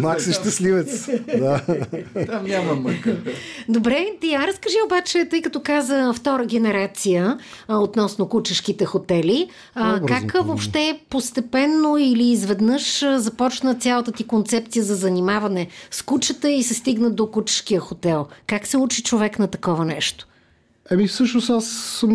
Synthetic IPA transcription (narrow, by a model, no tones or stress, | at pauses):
maksɛʃt̪ɐslivɛt̪sd̪a | t̪amnʲamɐməkd̪obɾɛt̪iaɾəskɐʒiobat͡ʃɛt̪ɤjkɐt̪ɔkazəft̪ɔɾəɡɛnɛɾat̪sijəot̪nɔsnokut͡ʃɐʃkit̪ɛxot̪ɛli | kakvopʃt̪ɛpost̪ɛpɛnːoiliːzvɛd̪nɤʃzɐpɔt͡ʃnət̪sʲjalˠət̪ət̪ikont̪sɛp̚t̪sijəzɐzɐnimavɐnɛskut͡ʃət̪əisɛst̪iɡnəd̪okut͡ʃə̥ʃk̟ijəxot̪ɛlˠkaksɛut͡ʃit͡ʃovɛknɐt̪ɐkɔvɐnɛ̰ʃt̪o̥ | ɐmifsɤʃnosasːəm